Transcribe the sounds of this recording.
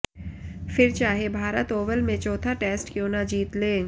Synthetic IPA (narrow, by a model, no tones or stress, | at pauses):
fɪɾt͡ʃaːɦebʱaːɾət̪oːʋəlmẽt͡ʃɔːt̪ʰaʈeːsʈkjoːnad͡ʒiːt̪lẽː